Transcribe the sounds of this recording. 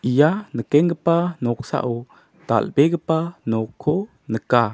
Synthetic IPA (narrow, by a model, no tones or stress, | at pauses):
ʔijanəkɛŋɡəpanɔksa̰ʔu | d̪̥a̰lbɛɡəpanɔkʰːɔ | nəka